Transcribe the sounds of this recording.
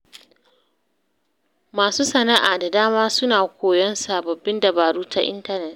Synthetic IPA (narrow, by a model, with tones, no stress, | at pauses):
maː˨suː˦sɐ˨na˦ʔaː˨da˨daː˦maː˦sʊ˦naː˨kʷoː˨jɔ˦nsa˨bɐ˨bːɪ˦ndɐ˨baː˨ɽuː˦tʰa˦ʔɪ̰˦ntɐ˦nɛ˨t̚